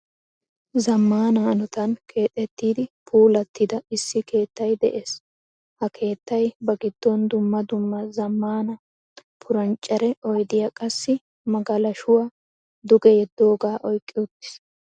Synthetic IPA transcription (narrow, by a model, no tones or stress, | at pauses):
zɐmːaːnɐnɔt̪ɐnkʰe̞ːt̪ʼːɛt̪ːiːd̪ɪpʰuːlɐt̪ʰːɪd̪ɐɪsːɪke̞ːt̪ːɐjd̪ɛ̰ʔeːs | hɐkʰe̞ːt̪ːɐjbɐɡɪd̪ːɔnd̪ʊmːɐd̪ʊmːɐzɐmːaːnɐ | pʰʊɾɐnt͡ʃʼːɐɾɛʔɔjd̪ɪjɐkʼɐsːɪ | mɐɡɐlɐʃʊwaː | d̪ʊɡɛjɛd̪ːo̞ːɡaːʔɔjkʼːɪʊt̪ːɪ̥s